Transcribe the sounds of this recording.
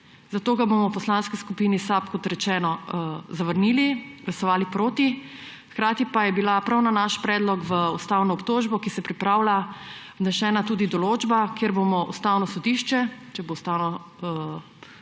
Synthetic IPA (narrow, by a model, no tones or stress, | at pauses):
zat̪oːɡabomɔwpɔslanskiskupinisapkɔt̪ɾɛt͡ʃɛːnɔzaʋəɾniːliɡlasɔʋaːlipɾoːt̪i | xkɾaːt̪ipajɛbilapɾawnanaʃpɾɛːd̪lɔkʋəust̪awnɔːpt̪oːʒbɔkisɛpɾipɾaːwla | nɛʃɛːnat̪uːd̪id̪ɔloːd͡ʒbakeɾbomɔʔust̪awnɔsɔd̪iʃt͡ʃɛt͡ʃɛboust̪aːwnɔ